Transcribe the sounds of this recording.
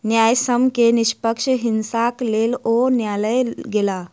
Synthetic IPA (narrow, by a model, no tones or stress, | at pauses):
njajsəmkeniɕpəkʂəɦinsaklelonjaləjɡela